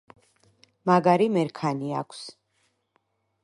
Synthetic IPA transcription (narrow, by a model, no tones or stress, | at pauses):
maɡaɾimɛɾkʰaniakʷʰs